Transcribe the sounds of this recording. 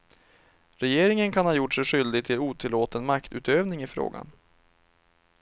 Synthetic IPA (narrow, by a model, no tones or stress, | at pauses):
ɾɛjeːɾɪŋənkʰanhɑːjʊʈʂɛjɧʏld̪ɪɡ̚t̪ʰɪluːt̪ʰɪlːoːt̪ənmakt̪ʉ̟ːt̪øːvnɪŋɪfɾo̰ːɡa̰n